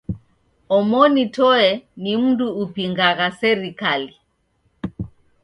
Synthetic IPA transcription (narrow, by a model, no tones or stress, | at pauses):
ɔmɔnitɔɛnim̩duːpiŋɡaɣasɛɾikali